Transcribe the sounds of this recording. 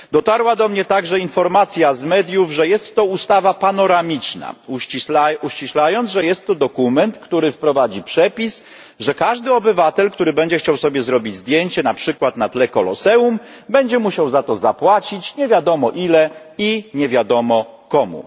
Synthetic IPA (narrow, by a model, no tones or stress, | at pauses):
d̪ɔt̪aɾwad̪ɔmɲɛt̪aɡʐɛinfɔɾmat̪sʲjazmɛd̪ʲjuvʐɛjɛst̪ːɔust̪avapanɔɾamʲit͡ʂna̰uiuɕt͡ɕiɕlajɔnzʐɛjɛst̪ːɔd̪ɔkumɛnt̪kt̪uɾɘfpɾɔvad͡ʑipʂɛpʲis | ʐɛkaʐd̪ɘɔbɘvat̪ɛlkt̪uɾɘbɛɲd͡ʑɛxt͡ɕawsɔbʲjɛzɾɔbʲid͡ʑzd̪jeɲt͡ɕɛnapʂɘkwat̪nat̪lɛkɔlɔ̰sɛum | bɛɲd͡ʑɛmuɕawzat̪ɔzapwat͡ɕit͡ɕɲɛvʲjad̪ɔmɔʔilɛ | iɲɛvʲjad̪ɔmɔkɔmṵ